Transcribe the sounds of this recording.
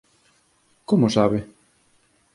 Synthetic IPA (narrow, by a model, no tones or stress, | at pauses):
komʊsaβɪ